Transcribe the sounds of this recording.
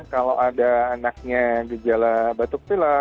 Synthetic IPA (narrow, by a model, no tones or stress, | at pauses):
kalo̰wʔadaːnak̚ɲaɡəd͡ʒalabat̪ʊk̚t̪ula